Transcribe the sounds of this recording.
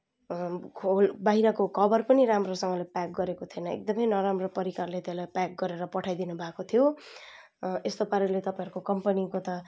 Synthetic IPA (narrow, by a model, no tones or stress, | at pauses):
kʰolbʌɦiɾʌkokʰʌbʌrpʌniramrosʌŋɡʌlepak̚ɡʌɾekot̪ʰiʌnʌḛk̚d̪ʌmʌjnʌɾamropʌɾikarlet̪elajpak̚ɡʌɾeɾʌpʌʈʰajd̪inubʱakot̪ʰijo | est̪opaɾelet̪ʌpaĩɦʌɾukokʌmpʌnikot̪ʌ